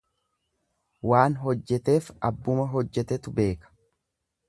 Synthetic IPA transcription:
waːnɦɔd͡ʒːɛt̪e̞ːfɐbːʊmɐɦɔd͡ʒːɛt̪ɛt̪ʊbe̞ːkɐ̥

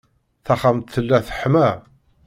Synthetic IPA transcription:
θaχamt̪θəlːæθə̥ħmæ

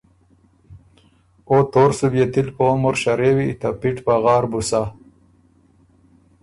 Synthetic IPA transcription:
ot̪oːɾsubjet̪ilpomoɾɕɐɾewiːt̪apiʈpaɣɑːɾbusa

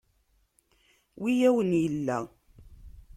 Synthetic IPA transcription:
wijæwənjəlːæ̰

